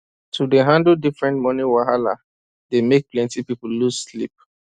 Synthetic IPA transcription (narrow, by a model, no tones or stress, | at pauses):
tʰudeɦãndl̩difɹɛ̃ntmɔniwaɦala̰ | demek̚plɛ̃ntipipulluslḭp̚